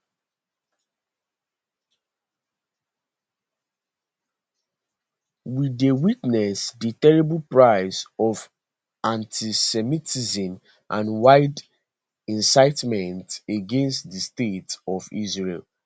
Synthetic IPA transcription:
widewitnɛsditɛɹibl̩pɹaɪzɔv | ãntʰisɛmitizĩm | ʔãnwaɪd | ɛ̃nsaɪtmɛ̃nteɡɛ̃nstdistetɔvḭzɹel

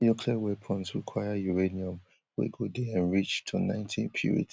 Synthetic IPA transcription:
jukʰlɛwɛpʰɔ̃ntsɹikʰwajajuɹeniɔ̃m | wḛɡodɛãnɹit͡ʃtʰunã̰ɪ̃ntʰĩnpʰḭɹḭt

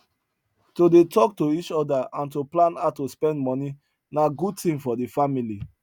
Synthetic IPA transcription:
todetɔk̚toit͡ʃɔdaãntoplãnatospɛ̃ndmɔni | naɡud̚tĩmfɔdefamili

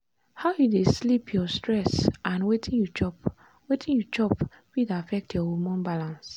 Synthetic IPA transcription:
haʊjudeslipʰjɔstɹɛsãnwetʰĩnjut͡ʃɔp | wetʰĩnjut͡ʃɔp | widafɛk̚tʰjɔwumɔ̃nbalãns

